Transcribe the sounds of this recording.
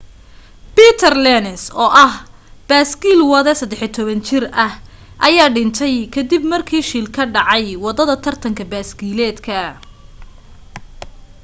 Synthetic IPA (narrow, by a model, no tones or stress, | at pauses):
biːt̪ʰɐrlɛnɛsɔːʔɐh | b̥aːsɡiːlwɐðɛsɐd̪ɛħɪt̪ʰɔβɐnt͡ʃɪrɐh | ʔɐjaːɖɪnt̪ʰɛjkʰɐd̪ibmɐrkʰiːʃiːlkʰɐɖɑʕɑjwɑd̪ɐðɐt̪ʰɐrt̪ʰɐŋkʰɐbaːsɡiːlɛːd̪kʰɐ